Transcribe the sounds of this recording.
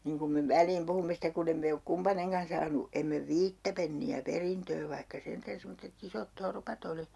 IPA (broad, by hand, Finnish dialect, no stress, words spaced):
niŋ kum me ʋælˑiːm puhumːe stek kun em me ok kumpɑneŋkɑn sɑːnu emːe ʋiːtːæ penːiæ perintøː ʋɑihkɑ sentæn semːotːet isot torpɑt oli